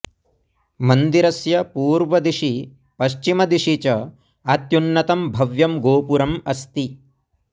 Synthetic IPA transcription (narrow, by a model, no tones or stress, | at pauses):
mɐnd̪iɾɐsjɐpuːɾʋɐd̪iʂi | pɐʃt͡ʃimɐd̪iʂit͡ʃɐ | ɐt̪junːɐt̪ɐmbʱɐʋjɐmɡoːpuɾɐmɐst̪i